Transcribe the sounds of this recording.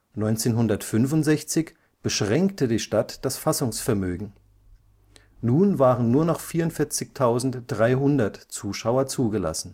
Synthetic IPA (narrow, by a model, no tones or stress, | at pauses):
nɔʏnt͡seːnɦʊndɐtfʏnvʊntz̥ɛçt͡sɪç | b̥əʃʁ̥ɛŋktədiːʃtatd̥asfasʊŋsfɛɐmøːɡŋ̩ | nuːnvaːʁənːuːɐnɔχfiːɐʊntfɪɐt͡sɪçtʰaʊzn̩td̥ʁaɪɦʊndɐtt͡suːʃaʊɐt͡suːɡəla̰sn̩